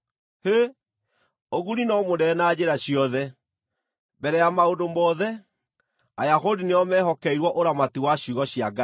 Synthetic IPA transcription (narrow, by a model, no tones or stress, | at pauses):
he | oɣuɾinɔmondɛnad͡ʑeɾaɕjɔðɛ | bɛɾɛjamaodomɔðɛ | ajahodineɔmɛɦɔkɛiɾwɔʔoɾamatiwaɕuɣɔɕiaɡa